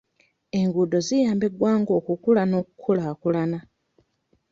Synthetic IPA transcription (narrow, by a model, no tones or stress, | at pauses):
e̞ŋɡuːdo̞zijaːmbeɡwaːŋɡo̞ːkukulano̞ːkukʰulaːkulana